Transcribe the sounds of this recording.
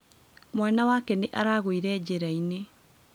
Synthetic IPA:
mwaːnawakɛneʔaɾaɣoiɾɛːd͡ʑeɾaine

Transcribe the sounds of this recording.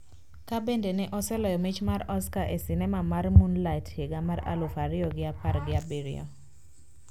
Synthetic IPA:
kabendenɛʔɔsɛlɔjɔmit͡ʃmaɾɔskaʔesinɛmamarmunlatheɡamaɾa̰lʊfaɾɪɔɡɪapaɾɡɪabiɾɪ̰ɔ̰

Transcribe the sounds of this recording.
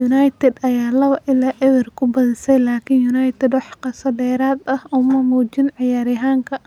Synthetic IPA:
ʊnajt̪ʰɛd̪ɐjaːlɐβɐʔɪlaːʔɪðɪrkʰʊbɐðɪsɛjlaːkʰɪnjʊnajt̪ʰɛd̪wɑħqɑsɐdɛːɾaːd̪ɐhʊmɐmuːt͡ʃɪnʕɪjaːɾɪɦaːŋkʰɐ

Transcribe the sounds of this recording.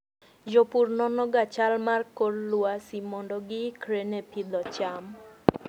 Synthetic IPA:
d͡ʒopuɾnɔnɔɡat͡ʃalmarkːɔɾluasimɔnɖɔɡikʰɾenepʰid̪ɔt͡ʃam

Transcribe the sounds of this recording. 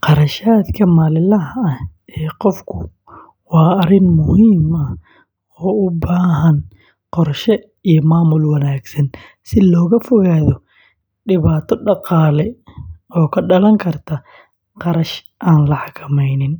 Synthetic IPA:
qɑɾɐʃaːd̪kʰɐmaːlɪlɐɦɐɐɛːqɔfkʰʊ | wɑːɐɾɪnmʊhiːmɐ | ɔːʊbaːɦɐn | qɔrʃɛ | ijɔmaːmʊlwɐnaːɡsɐn | sɪlɔːɣɐfɔɣaːðɔ | ɖɪβaːt̪ʰɔɖɑqɑːlɛɔːkʰɐɖɐlɐŋkʰɐrt̪ʰɐ | qɑɾɐʃ | ʔaːnlɐħɑkʰɐmɛjnɪn

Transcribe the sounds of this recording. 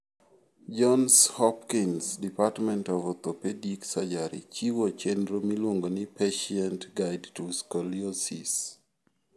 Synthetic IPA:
d͡ʒɔnshɔpkinsdipatmɛ̃ntɔvɔt̪opediksad͡ʒaɾḭt͡ʃiwot͡ʃɛndɾomilwoŋɡonɪpeʃiɛntɡaɪdtuskɔliosḭs

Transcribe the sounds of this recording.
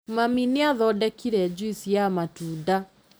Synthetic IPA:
mamineaðɔdɛkiɾɛd͡ʑuisiamatuːda

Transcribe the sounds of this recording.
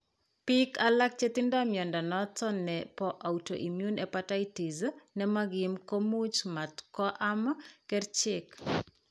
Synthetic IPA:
pikalak̚t͡ʃet̪indɔmjɔndɔnɔt͡sɔnɛpɔʔawto̰ʔimjunɛpatajtiznɛmaɡɪmkomut͡ʃmatkɔʔamkɛrt͡ʃɪk

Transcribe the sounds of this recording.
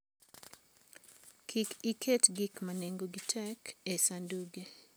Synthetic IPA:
kʰikikʰetɡikmaneŋɡoɡitʰɛkesanduɡe

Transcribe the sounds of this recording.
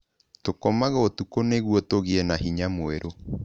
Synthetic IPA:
tokomaɣaotukoneɣwɔtoɣiɛnahiɲamoeɾʔo

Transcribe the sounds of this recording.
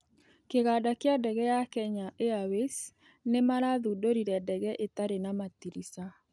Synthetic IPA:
keɣadakeadɛɣɛjakɛɲaʔeawes | nemaɾaðudoɾiɾɛdɛɣɛʔet̪aɾenamat̪iɾisa

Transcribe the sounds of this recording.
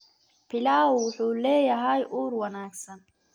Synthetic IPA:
pʰilaːwuħuleːjaɦajʔuːɾwɐnaːksɐn

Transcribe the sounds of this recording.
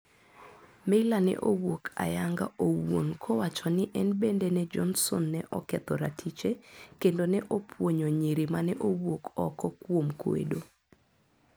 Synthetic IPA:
melanɛ̰ʔowokʰa̰jaŋɡa̰ʔowo̰nkʰowat͡ʃɔnɪʔɛnbendenɛd͡ʒɔnsɔ̰nːɛʔɔkɛt̪ɔɾatʰit͡ʃekendonɛʔopʰwoɲoɲiɾimanɛʔowwokʰɔ̰kɔkwomkoḛdo

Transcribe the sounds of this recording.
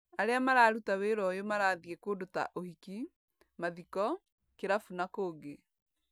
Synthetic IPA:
aɾeamaɾaːɾutaweɾɔjomaɾaːðiekodota̰ʔohiki | maðikɔ | keɾafunakoːɡe

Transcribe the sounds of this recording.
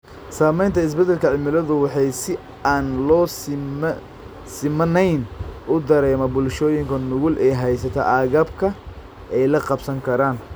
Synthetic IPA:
saːmɛjnt̪ʰɐɪs̬bɛd̪ɛlkʰɐʕɪmɪlɐðʊwɑħɑjsɪ | aːnlɔː | sɪmɐnɛjnʔʊd̪ɐɾɛːmɐbʊlʃɔːjɪŋkʰɐnʊɣʊlʔɛjɦɛjsɐt̪ʰɐ̰ʔaːɣɐb̚kʰɐ | ɛjlɐqɑbsɐŋkʰɐɾaːn

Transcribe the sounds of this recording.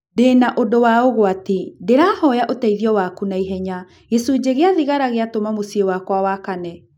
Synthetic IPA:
deːnaʔodowaoɣoatedeɾaːhɔjaʔotaiðiɔwakunaiɦɛɲa | ɣesud͡ʑeɣeaðiɣaɾaɣeatomamosiewakwawakanɛ

